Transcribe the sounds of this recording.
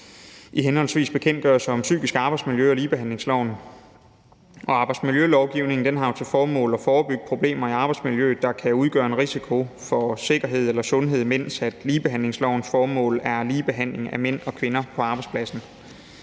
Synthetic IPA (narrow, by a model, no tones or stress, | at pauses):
iɦenhɒ̽lsʋḭːsb̥e̝kʰen̰d̥ɡ̥ɶɐsɑɒ̽msy̰ːɡ̥isɡ̥əɑ̈ːb̥ɑ̈ɪdsmiljøɒliːb̥eɦæn̰le̝ŋslɒʊ̰n | ʔɒ̽ɑ̈ːb̥ɑ̈ɪd̥smiljølɒʊɡ̥iʊne̝ŋn̩d̥enɦɑ̈jo̝t͡sʰe̝lfɒːmɔ̰̽ːlɒ̽fɒːb̥yɡ̥d̥̚pʰʁo̝b̥le̝̰ːmɐiɑ̈ːb̥ɑ̈ɪd̥smiljøːd̥ɑ̈kʰæuð̞ˠɡ̥ɶɐe̝nʁisikʰo̝fɒ̽se̝ɡ̥ɐɦe̝ð̞̰ˠelɐsɔ̽nɦe̝ð̞̰ˠmen̰sæd̥liːb̥e̝ɦæn̰le̝ŋslɒʊ̰n̩sfɒːmɔ̰̽ːlæɐliːb̥e̝ɦæn̰le̝ŋæmen̰ɒ̽kʰʋe̝nɐpʰɒ̽ɑ̈ːb̥ɑ̈ɪdspʰlæsn̩